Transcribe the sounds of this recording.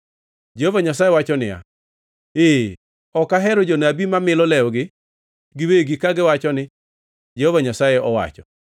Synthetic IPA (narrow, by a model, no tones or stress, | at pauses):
d͡ʒɛhovaɲasajewat͡ʃɔnɪja̰ | eː | ɔkaɦɛɾɔd͡ʒonabimamɪlɔlɛɔɡɪ | ɡɪweɡikaɡɪwat͡ʃɔnɪ | d͡ʒɛhovaɲasajeɔwa̰t͡ʃɔ